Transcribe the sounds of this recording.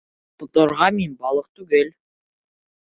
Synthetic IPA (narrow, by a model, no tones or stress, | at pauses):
t̪ŏt̪ɤ̆ɾʁɑminbɑlˠɤq̚t̪ʉɡel